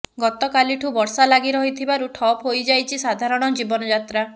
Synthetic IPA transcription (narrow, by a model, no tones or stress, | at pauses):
ɡɔt̪ɔkaliʈʰubɔɾsalaɡiɾɔɦit̪ʰibaɾuʈʰɔpɦojd͡ʒajt͡ʃʰisad̪ʱaɾɔɽ̃ɔd͡ʒibɔnɔd͡ʒat̪ɾa